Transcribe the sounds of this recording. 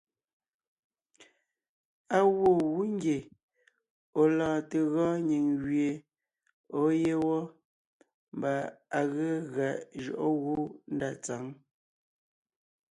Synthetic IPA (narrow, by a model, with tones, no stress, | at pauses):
a˦ɣwo˦˨ɣu˦ŋ˦ɡje˨ | o˨lɔ̃ː˨te˨ɣɔ̃ː˦ɲi˨ŋɣɥje˨ | o˨˦je˦wɔ˦ | mba˨a˨ɣə˦ɣa˨ʔʒɔ̰˨ʔo˦ɣu˦n̩˦da˨t͡sa˨˦ŋ